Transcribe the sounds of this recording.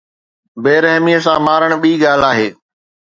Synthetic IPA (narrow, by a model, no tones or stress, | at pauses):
beːɾɐɦmiəs̬ãmaːɾəɽ̃ɓiːɠaːl̤aːɦeː